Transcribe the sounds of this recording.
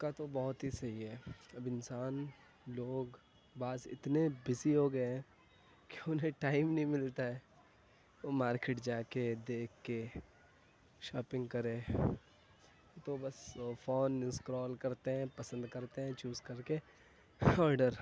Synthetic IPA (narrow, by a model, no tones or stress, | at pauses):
kat̪obɔɦʊt̪ɦisɐɦiɦɛːɐbɪnsaːn | loːɡ | baːzɪ̰t̪nebɪsiɦoɡɐeɦɛ̃ | keʊnɦẽʈaːɪmnɐɦĩmɪlt̪aɦɛː | oːmaːɾkeʈd͡ʒaːked̪eːkʰːe | ʃɔːpɪ̃ŋɡkɐɾẽː | t̪obɐsfoːnɪskɾɔːlkɐɾt̪eɦɛ̃pɐsə̃nd̪kɐɾt̪eɦɛ̃ːt͡ʃuːzkɐɾke | ɔːɾɖəɾ